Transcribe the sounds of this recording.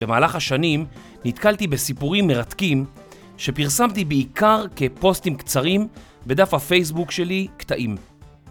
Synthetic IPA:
bemaːlaχhaʃanim | nit̪kalt̪ibe̞sipuʁimːeʁatkim | ʃe̞piʁsamt̪ibeikaʁke̞po̞stimkt͡saʁim | be̞d̪afhafe̞js̬bukʃe̞likt̪aʔim

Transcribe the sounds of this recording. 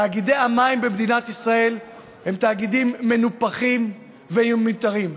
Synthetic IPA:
aːɡidejamaimbemd̪inat̪isʁae̞l | he̞mt̪aːɡid̪imːe̞nupaχim | veumːit̪aʁim

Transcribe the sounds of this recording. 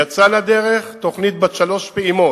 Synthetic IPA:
at͡salad̪e̞ʁe̞χt̪o̞χnit̪̚baʃalo̞ʃpeimo̞

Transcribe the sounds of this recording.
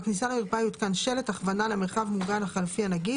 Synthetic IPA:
knisalaulpajit̪kanʃe̞le̞t̪aχvanalemeʁχavmuɡanaχalfianaɡi

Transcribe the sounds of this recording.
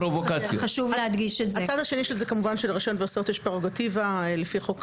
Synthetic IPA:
ɾovokat͡sjoχaʃuvlehad̪ɡiʃetzaet͡sad̪aʃeniʃelzekamuvanʃelʁiʃonveosot̪eʃpeʁoɡativalefiχo̞k

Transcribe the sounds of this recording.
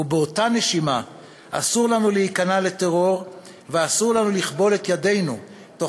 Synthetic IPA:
ubeotane̞ʃima | a̰suʁlanuleikanale̞teʁo̞ʁ | veasuʁlanuliχbo̞le̞t̪jade̞jnu | t̪o

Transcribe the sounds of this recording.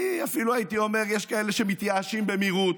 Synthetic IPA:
iafiluajt̪iomeʁjeʃkaeleʃemit̪jaːʃimbemiʁut̪

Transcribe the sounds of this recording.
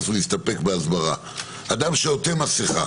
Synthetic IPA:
zulist̪ape̞kbeazbaʁa̰ | ad̪amʃeot̪emasiχa̰

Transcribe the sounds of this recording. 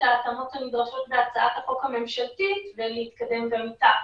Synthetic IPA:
aːt̪amot̪amid̪oʃɛlbɛat̪saat̪aχokamɛmʃɛlt̪it̪vɛlɛit̪kad̪ɛmvamit̪a

